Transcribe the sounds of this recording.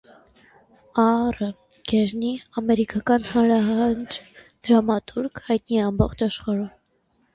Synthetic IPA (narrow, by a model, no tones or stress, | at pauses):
ɑrə | ɡ̥ɛɾniɑmɛɾikɑkɑnhɑnɾɑɦɑnd͡ʒd̪̥əɾɑmɑt̪ʰuɾkʰhɑjt̪niɛɑmbɔχt͡ʃɑʃχɑɾum